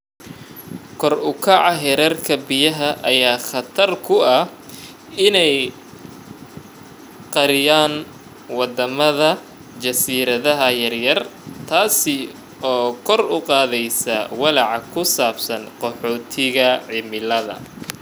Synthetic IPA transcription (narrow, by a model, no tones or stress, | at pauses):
kʰɔrʊkʰɐʕɑɦɛɾɛrkʰɐbɪjɐɦɐʔɐjaːχɑt̪ʰɐrkʰʊɐ | ɪnɛj | qɑɾɪjaːn | wɑd̪ɐmɐðɐ | t͡ʃɐsiːɾɐðɐɦɐjɐrjɐrt̪ʰaːsɪ | ɔːkʰɔrʊqɑːðɛjsɐwɑlɑʕɑkʰʊsaːbsɐnqɔħɔːt̪ʰɪɣɐʕɪmɪlɐðɐ̰